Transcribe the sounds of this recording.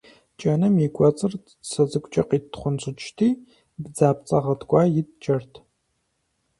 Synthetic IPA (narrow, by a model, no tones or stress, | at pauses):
t͡ʃʼɐnɨmjikʷʼɔt͡sʼɨr | sɐzɨkʷʼt͡ʃʼɐqiːtʰχʷʊnt͡sʷʼɨt͡ʃʼʰtʰiː | bd͡zaːp̚t͡sʼɐʁɐtʰɡʷʼɑːjɪtt͡ʃʼɐrtʰ